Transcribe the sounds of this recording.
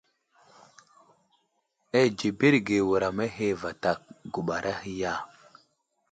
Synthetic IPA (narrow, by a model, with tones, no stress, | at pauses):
e˦d͡ʒi˨bi˦ɾɡe˨wu˨ɾa˨me˦ɦe˦va˨ta˨k̚ɡu˨ɓa˨ɾʔa˦hi˦ja˦˨